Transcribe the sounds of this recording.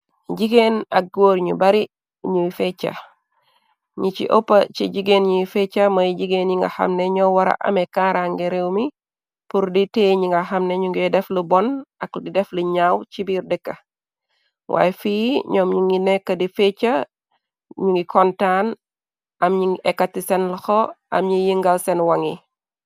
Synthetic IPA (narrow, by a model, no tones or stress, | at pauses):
ɟiɡenak̚ɡoːɾɲṵbaɾi | ɲuifet͡ʃːa̰ | ɲit͡ʃḭʔo̰pːat͡ʃiɟiɡeːnɲuwifet͡ʃːamɐjɟiɡeːnɲiŋɡa̰ha̰mneɲɔwaɾa̰ʔɐ̰mekaɾaŋɡiɾewmi | puɾditeɲiŋɡahamneɲuŋɡɛdɛflibɔnɐkdidɛfliɲaːwt͡ʃibiɾdɛkːɐ | wʔa̰ːjɛfiɲɔːmɲuŋinekːɐdifet͡ʃa | ɲuŋɡikʰɔntaːn | ʔɐmɲiŋʔɛkːatːisenlɐxoɐ̰mɲijiŋɡalsenwɐŋi